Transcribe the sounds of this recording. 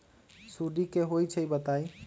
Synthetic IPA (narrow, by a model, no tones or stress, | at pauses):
suɖikeɦojt͡ʃʰəibət̪aj